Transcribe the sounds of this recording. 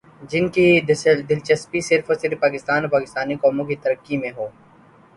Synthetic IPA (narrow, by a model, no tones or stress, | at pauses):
d͡ʒɪnkid̪ɪlt͡ʃɐspisɪɾfosɪɾpːaːkɪst̪aːnoːpaːkɪst̪aːnikɔːmõkit̪əɾəkːimẽɦoː